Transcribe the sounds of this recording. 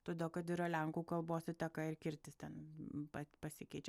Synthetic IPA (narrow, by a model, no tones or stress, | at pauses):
t̪oːd̪ʲeːlˠkɐt̪ɪɾɐlʲæŋkuːkɐlˠboːsɪt̪ʲɛkɐɪrkʲɪɾʲt̪ʲɪst̪ʲɛnpɐpɐsʲɪkʲɛɪt͡ʃʲɛ